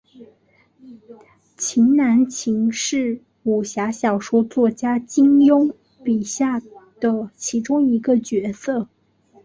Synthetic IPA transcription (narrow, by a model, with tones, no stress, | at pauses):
t͡ɕʰi˧˥ŋna˧˥nt͡ɕʰi˧˥ŋʂɻ̩˥˩ | u˨˩ɕja˧˥ɕjɑ˨˩ʊʂu˥t͡swɔ˥˩t͡ɕja˥t͡ɕi˥ŋjʊ˥ŋ | pi˨˩ɕja˥˩d̪̥ə˩t͡ɕʰi˧˥ʈ͡ʂʊ˥ŋi˧˥ɡə˧t͡ɕɥɛ˧˥sɤ˥˩